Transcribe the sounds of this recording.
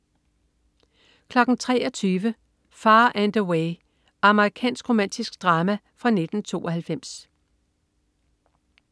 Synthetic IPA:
kʰlɒ̽ɡ̥n̩t͡sʰʁɛ̰ːɒt͡sʰyːʋə | fɑ̈ːʔænd̥əwe | ɑ̈məʁikʰɛ̰ːnsɡ̥ʁo̝mæn̰d̥isɡ̥d̥ʁɑ̈ːmæ | fʁɑ̈ne̝d̥n̩t͡sʰo̝̰ːɒhælfem̰s

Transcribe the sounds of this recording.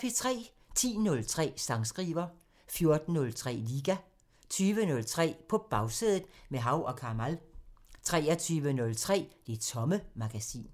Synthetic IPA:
fet͡sʰʁɛ̰ː | t͡sʰḭːnɔ̽lt͡sʰʁɛ̰ːsɑ̈ŋsɡ̥ʁḭːʋɐ | fjo̝ɐd̥n̩ːɔ̽lt͡sʰʁɛ̰ːliːɡ̥æ | t͡sʰyːʋənɔ̽lt͡sʰʁɛ̰ːpʰɒ̽b̥ɑ̈ʊse̝ðˠð̩ˠmeɦɑ̈ʊʔɒ̽kʰɑ̈mælt͡sʰʁɛːɐt͡sʰyːʋənɔ̽lt͡sʰʁɛ̰ːd̥e̝t͡sʰɒ̽məmɑ̈ɡ̥æsḭːn

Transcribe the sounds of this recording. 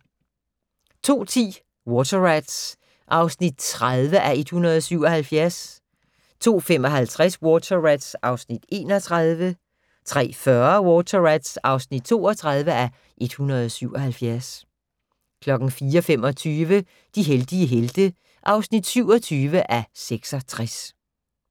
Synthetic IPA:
t͡sʰo̝̰ːt͡sʰḭː | wɔt͡sʰɐʁæd̥s | ʔɑ̈ʊsnid̥̚t͡sʰʁaðˠʋəʔæe̝d̥hunʁɐð̞ˠɒsyʊ̰ɒ̽hælfjæɐs | t͡sʰo̝̰ːfem̰ɒ̽ɦælt͡sʰʁaswɔːt͡sʰɐʁæd̥sʔɑ̈ʊsnid̥e̝ːnɒt͡sʰʁaðˠʋə | t͡sʰʁɛ̰ːfɶɐwɔt͡sʰɐʁæd̥sɑ̈ʊsnid̥̚t͡sʰo̝̰ːɒt͡sʰʁɑð̞ˠʋəæ | ʔe̝d̥hunɐð̞̩ˠɒsyʊ̰ɒ̽ɦælfjæɐs | kʰlɒ̽ɡ̥n̩fiːɐɒfem̰ɒ̽t͡sʰyːʋə | d̥iɦeld̥iəɦeld̥ə | ʔɑ̈ʊsnid̥syʊ̰ɒ̽t͡sʰyːʋəʔæseɡ̥sɒ̽t͡sʰʁas

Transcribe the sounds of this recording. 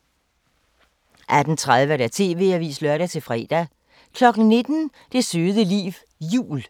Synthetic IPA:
ʔæd̥n̩t͡sʰʁað̞ˠʋəɾæt͡sʰe̝̰ːʋe̝̰ːæʋḭːslœɐ̰ɾæt͡sʰe̝lfʁɛ̰ːd̥æ | kʰlɒ̽ɡ̥n̩ne̝d̥n̩ | d̥e̝søːðˠəlḭːʋ | jṵːl

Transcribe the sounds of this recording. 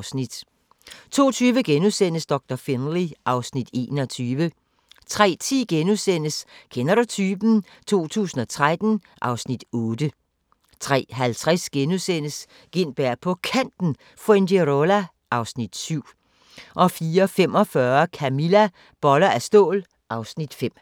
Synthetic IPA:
snid̥ | t͡sʰo̝̰ːt͡sʰyːʋəɡ̥enusen̰əsd̥ɒ̽ɡ̥̚d̥ɐfenliʔɑ̈ʊsnid̥e̝̰ːnɒt͡sʰyːʋə | t͡sʰʁɛ̰ːt͡sʰḭːɡ̥enusen̰əskʰenɐɾut͡sʰyːb̥n̩ | t͡sʰo̝̰ːt͡sʰṵːsn̩ɒ̽t͡sʰʁad̥n̩ | ʔɑ̈ʊsnid̥ɔːd̥ə | t͡sʰʁɛ̰ːɦælt͡sʰʁɛsɡ̥enusen̰əs | ɡ̥en̰b̥æɐ̰pʰɒ̽kʰæn̰d̥n̩ | fendeʁolæ | ʔɑ̈ʊsnid̥syʊ̰ | ʔɒ̽fiːɐfemɒ̽fɶːɐkʰæmilæ | b̥ɒ̽lɐæsd̥ɔ̰̽ːl | ʔɑ̈ʊsnid̥fem̰

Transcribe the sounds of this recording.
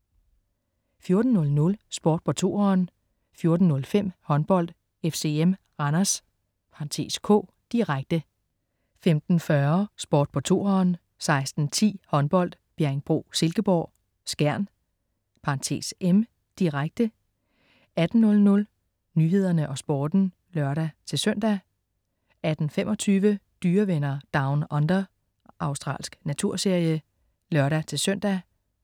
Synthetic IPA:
fjo̝ɐd̥n̩ːɔ̽lnɔ̽lsb̥ɒ̰ːd̥̚pʰɒ̽t͡sʰo̝̰ːɒn | fjo̝ɐd̥n̩nɔ̽lfem̰hɒ̽nb̥ɒ̽l̰d̥ | efse̝em | ɑ̈nɐs | pʰɑ̈nt͡sʰe̝̰ːskʰɔ̰̽ː | d̥iʁaɡ̥̚d̥ə | femd̥n̩fɶɐsb̥ɒ̰ːd̥̚pʰɒ̽t͡sʰo̝ːɒn | sɑ̈ɪsd̥n̩t͡sʰḭːhɒ̽nb̥ɒ̽l̰d̥ | b̥jæɐeŋb̥ʁo̝̰ːse̝lɡ̥əb̥ɒ̰ː | sɡ̥æɐ̰n | pʰɑ̈nt͡sʰe̝̰ːsem | d̥iʁaɡ̥̚d̥ə | æd̥n̩ːɔ̽lnɔ̽l | nyːɦe̝ð̞̰ˠɐnəʔɒ̽sb̥ɒːd̥n̩ | lɶɐɾæt͡sʰe̝lsøn̰d̥æ | æd̥n̩fem̰ɒ̽t͡sʰyːʋəd̥yːɐʋenɐd̥ɑ̈ʊnɒ̽nd̥ɐ | ʔɑ̈ʊsd̥ʁɑ̰̈ːlsɡ̥næt͡sʰuɐ̰se̝ɐ̰jə | lœɐɾ̥æt͡sʰe̝lsøn̰d̥æ

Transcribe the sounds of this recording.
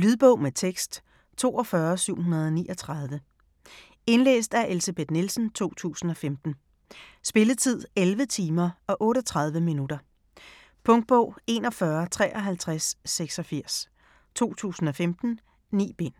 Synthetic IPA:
lyð̞ˠb̥ɔ̽ʊ̰met͡sʰeɡ̥sd̥ | t͡sʰo̝̰ːɒ̽fɶːɐsyʊ̰ɦunɐð̞ˠɒniːʔɒ̽t͡sʰʁɑð̞ˠʋə | e̝nlḛːsd̥æɐʔe̝lsæb̥e̝d̥nilsn̩t͡sʰo̝̰ːt͡sʰṵːsn̩ɒ̽femd̥n̩ | sb̥e̝lət͡sʰið̞̰ˠelʋət͡sʰiːmɐɒ̽ʔɔ̽ːɾɒt͡sʰʁɑ̈ð̞ˠʋəminud̥ɐ | pʰɔ̽ŋd̥̚b̥ɔ̽ʊ̰e̝ːnɒ̽fɶɐt͡sʰʁɛ̰ːʔɒ̽ɦælt͡sʰʁasːeɡ̥sɒ̽fiɐ̰s | t͡sʰo̝̰ːt͡sʰṵːsn̩ɒ̽femd̥n̩ | nḭːb̥e̝n̰

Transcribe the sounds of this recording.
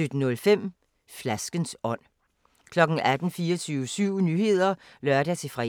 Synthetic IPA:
ød̥n̩ɔ̽lfem̰ | flæsɡ̥ənsɒ̽n̰ | kʰlɒ̽ɡ̥n̩ʔæd̥n̩fiːɒt͡sʰyːʊəsyʊ̰nyhe̝ð̞̰ˠɐ | lɶɐd̥æt͡sʰe̝fʁɛ

